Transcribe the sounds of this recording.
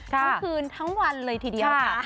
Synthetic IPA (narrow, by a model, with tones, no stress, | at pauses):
tʰa˦˥˩kʰɯː˧nt̪ʰa˦˥ŋwa˧nlɤː˧jt̪ʰiː˧di˧ɐ˥˩a˧˩